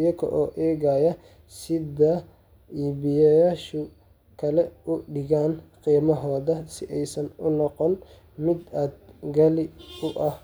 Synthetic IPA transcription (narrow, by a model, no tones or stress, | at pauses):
jɐkʰɐ̰ʔɔːʔɛːɣajɐ | sɪðɐ | iːbɪjɐjaːʃʊ | kʰɐlɛʊɖɪɣaːnqiːmɐɦɔːðɐsɪʔɛjsɐnʊnɔqɔn | mɪd̪aːd̪̚ɡɐlɪʊʔɐh